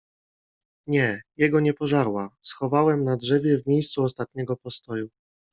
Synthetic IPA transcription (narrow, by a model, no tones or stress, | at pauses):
ɲɛjɛɡɔɲɛpɔʐaɾwasxɔvawɛmnadʐɛvʲjɛvmʲejst̪suɔst̪at̪̚ɲɛɡɔpɔst̪ɔju